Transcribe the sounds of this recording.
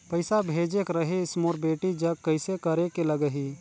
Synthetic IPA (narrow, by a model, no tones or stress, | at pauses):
pəɪsabʱeːd͡ʒekɾɐɦeɪsmoːɾbeːʈid͡ʒɐɡkːəɪsekɐɾekelɐɡəɦi